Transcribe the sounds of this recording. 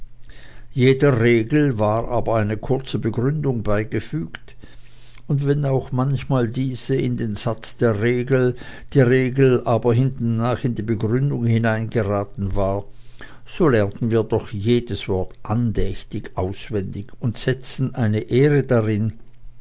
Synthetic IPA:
jeːdəʁeːɡl̩vaːʁʔaːbɐaɪnəkʰʊɐt͡səbəɡʁʏndʊŋbaɪɡəfyːkt | ʊntv̥ɛnaʊxmançmaːldiːz̥əɪndeːnz̥at͡sd̥eːɐʁeːɡl̩d̥iːɐʁeːɡl̩ʔaːbɐɦɪntn̩naːχɪndiːbəɡʁʏndʊŋhɪnaɪnɡəʁaːtn̩vaːɐ | z̥oːlɛɐntn̩viːɐdɔχjeːdəsv̥ɔɐtʔandɛçtɪçʔaʊsv̥ɛndɪçʊntz̥ɛt͡sn̩ʔaɪnəʔeːʁədaʁɪn

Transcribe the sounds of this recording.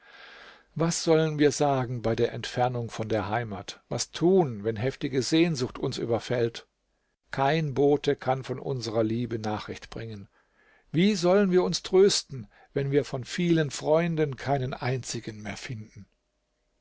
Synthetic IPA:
vasz̥ɔlənviːɐzaːɡŋ̩baɪdeːɐʔɛntfɛɐnʊŋfɔndeːɐɦaɪmaːtvastʰuːnvɛnɦɛftɪɡəzeːnzʊxtʊnsʔy̰ːbɐfɛlt | kʰaɪnboːtəkʰanfɔnʔʊ̰nzəʁɐliːbənaːχʁ̥ɪçtb̥ʁɪŋən | viːzɔlənviːɐʊnstʁ̥øːstn̩ | vɛnviːɐfɔnfiːlənfʁ̥ɔʏndənkʰaɪnənʔaɪnt͡sɪɡənmeːɐfɪndn̩

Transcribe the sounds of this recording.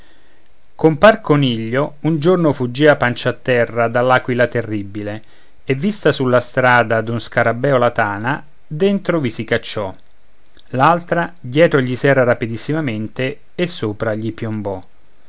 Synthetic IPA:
komparkoniʎːound͡ʒornofud͡ʒːiapant͡ʃat̪ːɛrːad̪alːakwilat̪erːibile | evːist̪asulːast̪ɾaːd̪ad̪unskaɾabːɛːolat̪aːna | d̪ent̪ɾovisikat͡ʃːɔ | lalt̪ɾad̪jɛːt̪ɾoʎisɛːraɾapid̪isːimament̪e | esːoːpɾaʎipjombɔ

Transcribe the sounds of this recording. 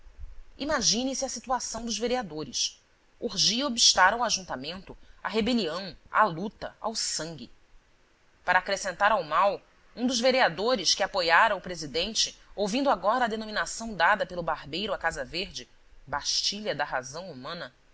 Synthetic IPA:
imaʒĩnĩsɪɐsit̪uasɐ̃w̃d̪ʊzveɾiad̪oɾɪʃ | uɾʒiɐobiʃt̪aɾɐwaʒũnt̪amẽnt̪ʊɐ̰ɦebeliɐ̃w̃a̰lut̪ɐ̰a̰wsɐ̃ŋɡʲɪ | paɾɐːkɾesẽnt̪aɾawmaw | ũd̪ʊzveɾiad̪oɾɪʃkɪapojaɾɐʊpɾezid̪ẽnt͡ʃɪowvĩnd̪ʊaɡɔɾɐːd̪enõminasɐ̃w̃d̪ad̪ɐpelˠʊbaɾbejɾʊɐkazɐveɾd͡ʒɪ | baʃt͡ʃiʎɐd̪ɐɦazɐ̃w̃umɐ̃nɐ

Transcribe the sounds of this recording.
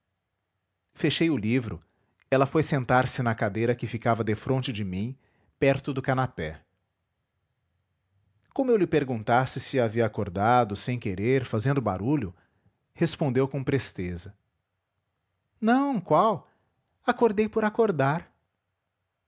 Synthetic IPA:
feʃejʊlivɾʊ̰ | ɛlɐfojsẽnt̪aɾsɪnɐkad̪ejɾɐkɪfikavɐd̪efɾõnt͡ʃɪd͡ʒɪmĩ | pɛɾt̪ʊd̪ʊkanapɛ | kõmʊewlɪpeɾɡũnt̪asɪsɪaviɐakoɾd̪ad̪ʊsẽj̃keɾeɾfazẽnd̪ʊba̰ɾuʎʊ | hespõnd̪ewkõpɾest̪ezɐ | nɐ̃w̃kwaw | akoɾd̪ejpoɾakoɾd̪aɾ

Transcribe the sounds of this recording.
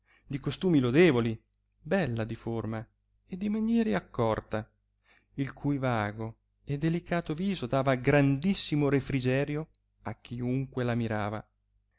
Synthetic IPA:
d̪ikost̪uːmilod̪eːvoli | bɛlːad̪iforma | ed̪imanjɛːɾeakːɔrt̪a | ilkʰujvaːɡo | ed̪elikaːt̪oviːzod̪aːvaɡɾand̪isːimoɾefɾid͡ʒɛːɾjo | akːiuŋkwelamiɾaːva̰

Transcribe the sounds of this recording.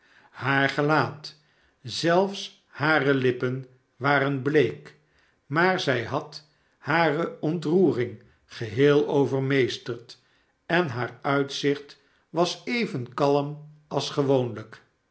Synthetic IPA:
haːɹχəlaːt | z̥ɛlˠfs | haːrəlɪpən | ʋaːɾənblejk | maːɹzɛjɦɑt | haːrəɔntruːrɪŋ | χəɦɪːlˠowvəɹmejstərt | ɛnɦaːɹœɥtsɪχt | ʋɑsejvənkɑlˠəmɑlˠsχəʋownlək

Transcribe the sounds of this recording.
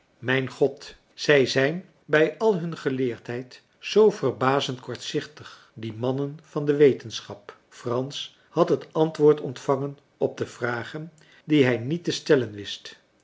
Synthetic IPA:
mɛjnχɔt | z̥ɛjzɛjn | bɛjɑlˠɦɵnχəlɪːɹtɦɛjt | z̥owv̥ərbaːzəntkɔɹtsɪχtəχ | dimɑnənv̥ɑndəʋejtənsχɑp | frɑns | hɑtɦətɑntʋʊːɹtɔntfɑŋən | ɔb̚dəv̥raːχən | diɦɛjnitəstɛlənʋɪst

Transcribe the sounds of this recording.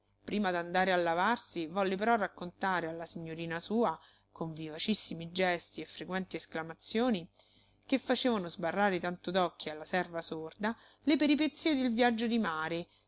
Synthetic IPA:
pɾiːmad̪and̪aːɾealːavarsivɔlːepeɾɔrːakːont̪aːɾealːasiɲːoɾiːnasuːa | koɱvivat͡ʃisːimid͡ʒɛst̪iefːɾekwɛnt̪iesklamat̪sːjoːni | kefːat͡ʃeːvanozbarːaːɾet̪ant̪od̪ɔkːialːasɛrvasord̪a | lepeɾipet̪sːiːed̪elvjad͡ʒːod̪imaːɾe

